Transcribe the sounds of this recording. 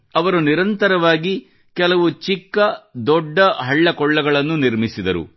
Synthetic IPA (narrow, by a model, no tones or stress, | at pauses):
ɐʋɐɾuniɾɐnt̪ɐɾɐʋaːɡi | kɛlɐʋut͡ʃikːɐd̪ɔɖːɐɦɐɭːɐkɔɭːɐɡɐɭɐnːuniɾmisid̪ɐɾṵ